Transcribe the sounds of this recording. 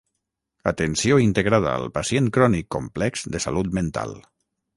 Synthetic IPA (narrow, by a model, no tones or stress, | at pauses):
at̪ensioint̪eɣɾað̞a̰ə̰lˠpasienkɾɔnikːomplɛkz̥d̪esalut̪ment̪a̰lˠ